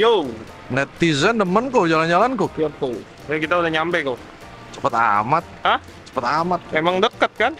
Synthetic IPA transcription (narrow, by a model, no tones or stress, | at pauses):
jo | nɛt̪izəndəmənkod͡ʒaland͡ʒalankoap̪u | akit̪audahɲampɛko | t͡ʃə̥pət̪a̰mat̪̚həh | t͡ʃə̥pət̪amat̪̚memaŋdəkət̪̚kan